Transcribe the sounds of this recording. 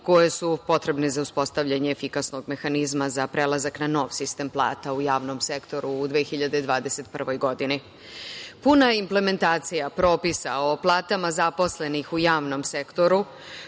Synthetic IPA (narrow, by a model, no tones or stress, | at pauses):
ko̞je̞supo̞t̪ɾe̞bnezauspo̞st̪aʋʎaɲeːfikasno̞ɡme̞xanizmazapɾe̞lˠazaknano̞ːʋsist̪e̞ːmplˠa̰ːt̪aujaːʋno̞mse̞kt̪o̞ɾuːd̪ʋeːxiʎad̪ed̪ʋaːd̪e̞se̞t̪pr̩ʋo̞jɡo̞d̪ini | punaimple̞me̞nt̪aːt̪sijapɾo̞ːpisao̞plˠaːt̪amazapo̞sle̞nixujaːʋno̞mse̞kt̪o̞ɾu